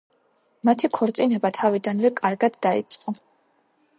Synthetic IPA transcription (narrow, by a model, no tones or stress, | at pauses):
mat̪ʰikʰɔɾt̪sʼinɛbat̪ʰavid̪anvɛkʼaɾɡad̪ːaḭt̪sʼqʼɔ